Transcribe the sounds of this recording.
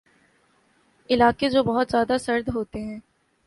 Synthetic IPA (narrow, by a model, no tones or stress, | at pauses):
ɪlaːked͡ʒoːbɐɦʊt̪zjaːd̪asɐɾd̪ɦoːt̪eɦɛ̃ː